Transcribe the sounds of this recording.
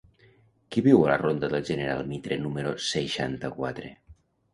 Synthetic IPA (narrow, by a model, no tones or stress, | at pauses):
kiβiwəla̰rond̪aðəlˠʒəneɾa̰lˠmit̪ɾenuməɾoseʃa̰nt̪əkwa̰t̪ɾḛ